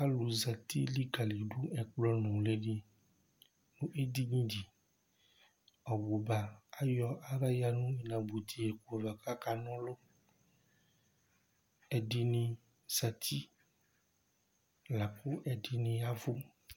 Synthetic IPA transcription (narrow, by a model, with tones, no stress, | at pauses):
a˦lu˨za˨t̪i˦li˦ɡa˨li˨ɖu˦ɛ˨k͡plɔ˦nɔ̃˨le˦ɖe˦ | nũ˦ʔe˦d̪i˦ɲĩ˦di˨ | ɔ˨wo˨ba˨a˦jɔ˦ʔa˦ɾa˦ja˦nũ˦i˨nã˨bu˨t̪ʰi˨ɛ˨ku˨va˨ka˦ka˨nɔ̃˦lo˦ | ɛ˨ɖi˨nĩ˨ | z̥a˨t̪ʰi˦ | la˨ku˦ʔɛ˨ɖi˨nĩ˨a˦vu˦